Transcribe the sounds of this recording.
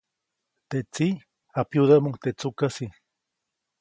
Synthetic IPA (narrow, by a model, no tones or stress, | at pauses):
t̪et͡si | apjud̪aʔmut̪et͡sukasi